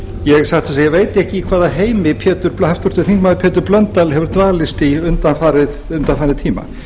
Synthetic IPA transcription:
jɛɣsaxt̪θas̬ajɛɣveːjt̪ɪɛhcɪkʰvaːðaɦeːjmɪpʰjɛːt̪ʏɾplhaft̪ʊɾ̥st̪ɪθiŋkmaðɪpʰɛːt̪ʏɾplœnt̪ːalhɛvʏɾt̪vaːlɪst̪iʏnt̪anfaːɾɪðʏnt̪anfaːɾɪðt̪ʰiːma̰

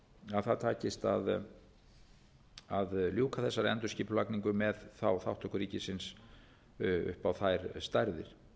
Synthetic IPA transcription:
aðθaðt̪ʰaːcɪst̪a̰ð | aðljuːkaθɛsːaɾɛ̰nt̪ʏɾ̥sciːpʏlakniŋkʏmɛðθawθawht̪ʰɔhkʏɾiːcɪsɪns | ʏ̰hpawθajɾst̪aɾðɪ̰ɾ̥

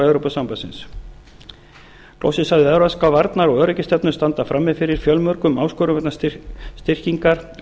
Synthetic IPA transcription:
eːwɾowpasampasɪns | klo̰wsɪsaðɪɛðɾaskawvaɾt̪naɾɔɣœːɾɛjcɪst̪ɛpnʏ̥st̪ant̪afɾamːɪðfɪɾɪɾ̥fjœlmœɾkʏmawskɔːɾʏmɛt̪nast̪ɪr̥ciŋkaɾ̥

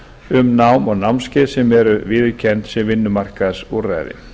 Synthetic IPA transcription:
ʏmnawmɔɣnawmnscɪːðsɛmɛɾʏvɪːðʏcʰɛnt̪sɪvɪnːʏmar̥kaðsuɾra̰ːjðɪ̰

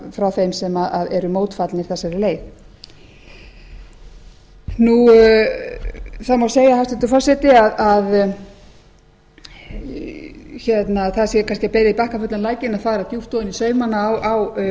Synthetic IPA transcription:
fɾawθejmsɛmaʔaðɛɾʏmoːwt̪fat̪lɪɾ̥θɛsaɾɪleːjθ | nu | θamawseːjahast̪ʏt̪ʏfɔr̥sɛt̪ɪaðað | çɛt̪naθaðsjɛkʰanscɪpɛːɾɪðipahkafœt̪lanlaːjcɪnaðfaːɾaðt̪juft̪ɔðɪnisœːɥmanawaw

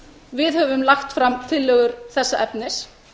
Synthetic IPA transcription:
vɪðhœvʏmlaxt̪fɾamt̪ʰɪlːœːɣʏɾ̥θɛsːaʔɛpnɪs

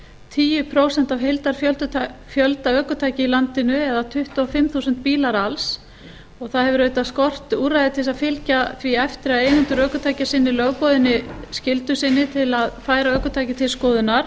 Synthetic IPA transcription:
t̪ʰiːjʏpʰɾoːwsɛn̥t̪avɦejlt̪aɾ̥fjœlt̪fjœlt̪aœːkʏt̪ʰaːjcɪilant̪ɪnʏɛðat̪ʰʏht̪ʏɔfɪmθusʏnt̪̚piːlaɾals | ɔɣθaðɦɛvʏɾeːɥt̪askɔr̥t̪uːrajðɪt̪ʰɪsaðfɪlcaθviɛft̪ɪɾaðeːjnʏnt̪ʏɾœːkʏt̪ʰaːjcasɪnːɪlœɣpɔðɪnːɪscɪlt̪ʏsɪnːɪt̪ʰɪlaðfaːjɾaœːkʏt̪ʰaːjcɪt̪ʰɪlskɔːðʏnːaɾ̥

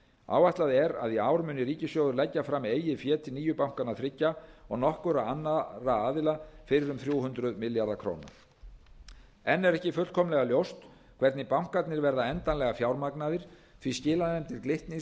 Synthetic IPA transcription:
a̰ːwajht̪laðɪɛɾa̰ðiaːwɾmʏnːɪɾiːcɪsjowðʏɾlɛcːafɾameːjɪfjɛːt̪ʰɪlniːjʏpawŋ̥kanaθɾɪcːaɔɣnɔhkʏɾaanːaɾaaːðɪlafɪɾɪɾʏmθɾjuwɦʏnt̪ɾʏðmɪljaɾðakʰɾo̰ːwna̰ | ɛnːɛɾɛhcɪfʏ̥kʰɔmlɛɣaljowst̪ | kʰvɛɾt̪nɪpawŋ̥kat̪nɪɾvɛɾðaɛnt̪anlɛɣafjawɾmaknaðɪɾ̥θviscɪːlanɛmt̪ɪɾklɪht̪nɪ

